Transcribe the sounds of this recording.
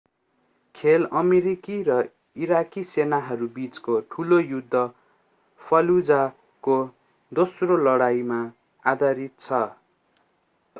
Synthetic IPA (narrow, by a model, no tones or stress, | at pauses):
kʰelʌmeɾikirʌ | iɾakisenaɦʌɾubit͡skoʈʰulojud̪ʱːʌ | pʰʌlud͡za | ko | d̪osrolʌɽajma | ad̪ʱaɾit̪̚t͡sʰʌ